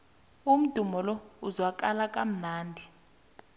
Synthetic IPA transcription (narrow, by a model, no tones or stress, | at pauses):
um̩d̥ʱumɔlɔuzwak̬ʼalakʼam̩naːndʱi